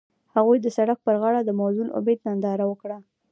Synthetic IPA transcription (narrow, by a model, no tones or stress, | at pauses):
haɣujd̪əsaɽak̚pəɾɣɑɽad̪əmawzunʔʊ̰bed̪nand̪ɑɾawəkɽa